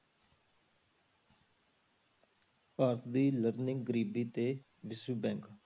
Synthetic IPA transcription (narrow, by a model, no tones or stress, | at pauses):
paːɾt̪ʰd̪iːləɾnɪ̃ŋɡɡəɾiːbiːt̪eː | ʋɪsuːbɛ̃ːŋk